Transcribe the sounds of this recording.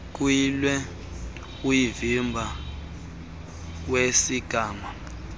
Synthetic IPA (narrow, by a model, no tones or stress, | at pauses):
k̬ʼwilwɛ | ujivimbʱa | wesiɡ̥ʱaːma